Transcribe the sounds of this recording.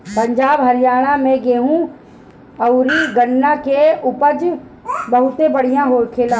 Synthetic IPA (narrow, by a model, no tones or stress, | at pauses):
pə̃ɲd͡ʒaːbɦɐɾɪjaːɽ̃amɛ̃ɡeːɦũ | ɐʊɾiɡəɳːakeʊpəd͡ʒ | bɐɦʊt̪ẽbəɽ̤ijãɦoːɾkʰeːlaː